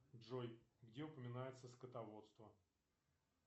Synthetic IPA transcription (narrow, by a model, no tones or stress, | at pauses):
ʐojɡdʲe̞ʊpəmʲɪnajɪt̪səskət̪ɐvo̞t̪st̪və